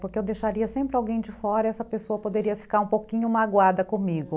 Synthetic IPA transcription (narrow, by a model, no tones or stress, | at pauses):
poɾkeewd̪ejʃaɾiɐsẽmpɾɪawɡẽj̃d͡ʒɪfɔɾɐɛsɐpesoɐpod̪eɾiɐfi̥kaɾũpowkĩɲʊmaɡwad̪ɐkõmiɡʊ